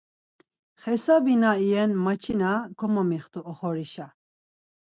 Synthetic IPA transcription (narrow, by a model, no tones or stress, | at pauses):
χɛsabinaijɛnmat͡ʃʰinakʰɔmamiχt̪uʔɔχɔɾiʃa